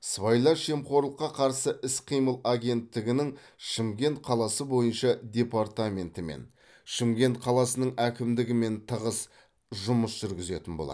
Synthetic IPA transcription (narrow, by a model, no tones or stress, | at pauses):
svajlˠɑʃemqo̞ɾlˠəqːɑqʰɑɾsəʔɪsqʰijməlˠaɡʲe̞nt̪ːɪɡʲɪnɪŋ | ʃəmɡʲe̞nt̪̚qʰɑlˠɑsəbo̞jənʃɑd̪ʲe̞paɾt̪amʲe̞nt̪ɪmḛn | ʃɪmɡʲe̞nt̪̚qʰɑlˠɑsənəɴækʲɪmd̪ɪɡʲɪme̞nt̪ʰəʁəs | ʒʊməsʒ̥ʏɾɡʲɪze̞̰t̪ɪnbo̞̰lˠɑ̰d̪